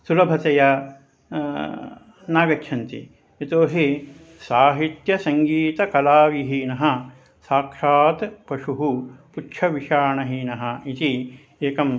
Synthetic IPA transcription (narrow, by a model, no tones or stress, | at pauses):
sulɐbʱɐt̪ɐjɐ | naːɡɐkʰʃʰɐnt̪ḭ | it̪oːɦi | saːɦit̪jɐsɐŋɡiːt̪ɐkɐlaːʋiɦinɐɦɐ̆ | saːkʂaːt̪pɐʂuɦuputʂʰɐʋiʃaːɳɐɦinɐɦɐ̆it̪i | eːkɐm